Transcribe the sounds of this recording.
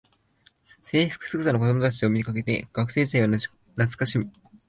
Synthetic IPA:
se̞ːɸɯ̥kɯ̟̥sɨɯt̪anoko̞d̪o̞mot̪at͡ɕio̞mikake̞t̪e̞̰ɡ̥akɯ̟se̞ːd͡ʑit̪aija | nat͡sɨ̥kaɕimi

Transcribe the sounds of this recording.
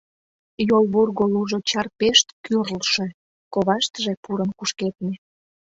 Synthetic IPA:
jolβurɣoluʒot͡ɕɑrpeʃt̪kyrlʃe | koβɑʃt̪əʒĕpuɾənkuʃket̪̚ne

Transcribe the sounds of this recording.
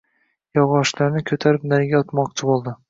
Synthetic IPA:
jɒwɒʃlaɾnɪkʲʰɵt̪ʰaɾɪp̚naɾɡʲaɒt̪mɒqt͡ʃʰɪbolˠd̪ɪ

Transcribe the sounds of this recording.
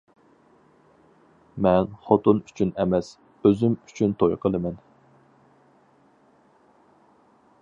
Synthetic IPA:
mɛnχot̪ʊnyt͡ʃʰynɛmɛs | øzymy̥t͡ʃʰynt̪ʰojqʰəlˠɨmɛn

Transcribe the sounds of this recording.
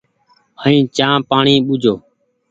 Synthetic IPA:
həĩːt͡ʃãːpaːɳiːɓʊd͡ʒʱoː

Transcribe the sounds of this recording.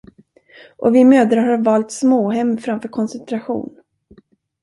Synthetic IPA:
ʔɔ̰vɪmøːd̪ɾaɦaɾvɑːlt̪smoːɦɛmːfɾamfœːɾkʰɔnsɛnt̪ɾaɧṵːn

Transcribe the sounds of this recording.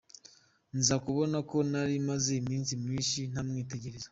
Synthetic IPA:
nzakuβo̞nako̞naɾimaze̞imiːnsimɲiːnʃin̥amŋiːte̞ɟe̞ɾeza

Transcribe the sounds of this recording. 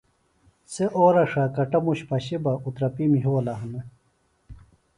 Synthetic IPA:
seʔoːɾɐʂakɐʈɐmuɕpɐɕibɐʔut̪ɾɐpimiɦuwlaɦɐne

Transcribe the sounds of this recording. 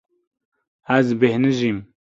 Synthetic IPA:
æzbehnɨʒim

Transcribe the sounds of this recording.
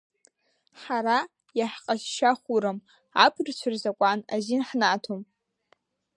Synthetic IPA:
ħaɾa | jaħqʼaʃʃaχʷuɾɨm | apʰrt͡ʃʷʰʊrzakʷʼanazinħnaːtʰom

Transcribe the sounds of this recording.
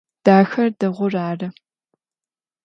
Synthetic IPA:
d̥aːxɐrdɐʁʷʊraːrɨ

